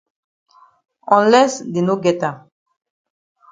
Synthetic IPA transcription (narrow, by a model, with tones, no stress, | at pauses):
ɔ̃˨nlɛ˦sd̪e˨no˦ɡɛ˨t̪a˨